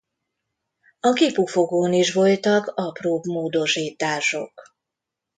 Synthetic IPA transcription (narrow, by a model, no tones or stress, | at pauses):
ɒkipufo̞ɡoːniʃʋo̞lt̪ɒkɒproːbmoːd̪o̞ʃiːt̪aːʃo̞̰k